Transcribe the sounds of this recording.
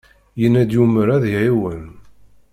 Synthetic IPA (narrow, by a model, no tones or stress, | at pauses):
jənːæd̪juməɾæðiʕiwən